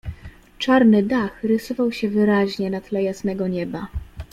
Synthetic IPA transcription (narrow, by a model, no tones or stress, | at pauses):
t͡ʂaɾnɘd̪axɾɘsɔvawɕɛvɘɾaʑɲɛnat̪lɛjasnɛɡɔɲɛba